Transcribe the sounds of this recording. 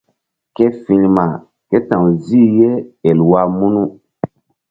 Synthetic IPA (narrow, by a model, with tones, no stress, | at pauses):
ke˦fĩ˨ɲma˨ | ke˦tã˨wzi˦je˦e˨lwa˦mu˦nu˦